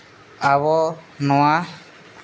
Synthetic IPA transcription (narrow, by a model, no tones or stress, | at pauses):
aβɔnɔwa